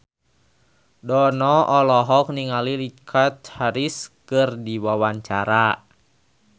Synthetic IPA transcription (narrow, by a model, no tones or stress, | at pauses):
dɔnɔʔɔlɔɦɔk̚niŋalilikʰat̪̚haɾiskɨrdiwawaɲt͡ʃaɾa